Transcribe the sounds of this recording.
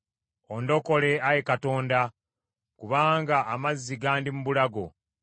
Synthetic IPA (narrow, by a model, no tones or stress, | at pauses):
ondo̞ko̞le̞ajekato̞ːnda | kuβaːŋɡaʔːmazːiɡaːndimuβulaɡo̞